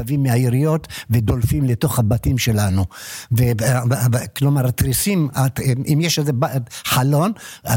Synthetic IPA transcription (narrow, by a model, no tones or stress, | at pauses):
avimːeaiʁijo̞t̪ved̪olfimleto̞χhabatimʃe̞lanuve | klomaʁat̪ʁisimatʔimjeʃezebaħalo̞na